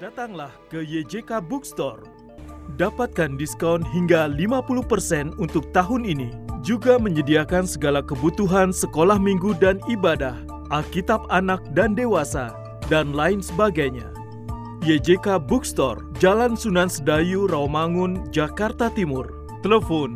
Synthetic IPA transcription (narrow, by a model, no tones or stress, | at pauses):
d̥at̪aŋlahkəjed͡ʒekabukst̪ɔr | dapat̪̚kandiskawnɦiŋɡalimapuluhpərsɛnunt̪ʊk̚t̪aɦʊninid͡ʒuɡaməɲədiakansəɡalakəbut̪uɦansəkolahmiŋɡudanibadah | ʔalkit̪ap̚anak̚dandewasa̰ | danlaɪnsəbaɡajɲa̰ | jed͡ʒekabukst̪ɔ̰rd͡ʒalansunansədajuramaŋʊnd͡ʒakart̪at̪imʊr | t̪ələfɔn